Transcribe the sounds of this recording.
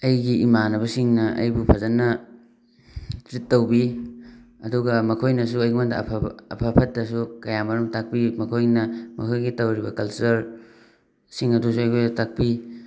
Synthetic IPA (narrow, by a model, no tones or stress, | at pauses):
ɐjɡiimanɐbɐsiŋnɐʔɐ̰jbupʰɐzɐnɐ | tɾitːɐwbi | ɐduɡɐmɐkʰojnɐs̬uɐjɡimandɐ̰pʰɐ̰pʰɐpʰɐt̚dɐsukɐjamɐɾumtak̚pimɐkʰojnɐmɐ̰kʰojɡitɐwɾibɐkɐlsɐɾ | siŋɐdusuɐjkʰojdɐtak̚pi